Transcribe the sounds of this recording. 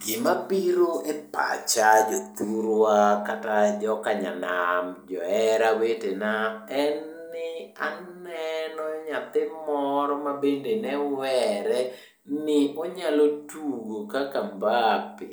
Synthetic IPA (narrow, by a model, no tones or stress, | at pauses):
ɡɪmapiɾoʔepa̰t͡ʃad͡ʒɔt̪uɾwakatad͡ʒɔkaɲa̰namd͡ʒɔɛɾawetenaɛnː | ɪa̰nɛnɔɲat̪ɪmɔɾɔmabendenɛwɛɾɛ | nɪʔoɲalotuɡokakambapɪ̰